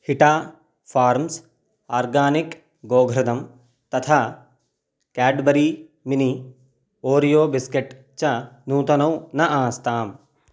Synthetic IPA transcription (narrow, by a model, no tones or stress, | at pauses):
hiʈaː | fʰaːɾms | aːɾɡaːnik | ɡoːɡʱɾɐd̪ɐm | t̪ɐt̪ʰaː | kɛːɖbɐɾiːmini | oːɾijoːbɪskeʈ | t͡ʃɐnũːt̪ɐnɐwnɐʔaːst̪aːm